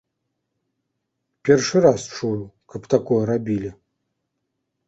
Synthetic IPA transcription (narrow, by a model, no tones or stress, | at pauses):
pʲɛrʂɨɾast͡ʂujukɐpt̪akɔjɛɾabʲilʲi